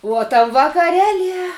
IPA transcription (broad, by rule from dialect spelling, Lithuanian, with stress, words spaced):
uɔ tɐm ʋɐkɐˈrʲæːlʲiɛ